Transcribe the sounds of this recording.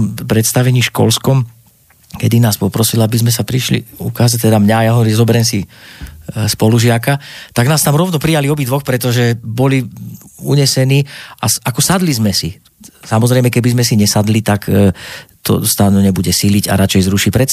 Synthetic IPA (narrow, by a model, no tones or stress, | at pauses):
mpɾɛt̪st̪aʋɛɲiːʃkɔ̰lskɔm | kɛd̪inaːspɔpɾɔsilabizmɛsapɾiʃlḭukaːzac̚t̪ɛd̪amɲaːjaɦɔʋɔɾimzɔbɛɾɛmsi | spɔluʒɪakat̪aɡnaːst̪amɾɔʊnɔpɾijaliɔbid̪ʋɔxpɾɛt̪ɔʒɛbɔliuɲɛsɛniːasakɔsad̪lizmɛsi | samɔzɾɛjmɛkɛbizmɛsiɲɛsad̪lit̪akː | t̪ʰɔ̰st̪aːnuɲɛbuɟɛsiliɟa̰ɾat͡ʃɛjzɾuʃipɾɛt̪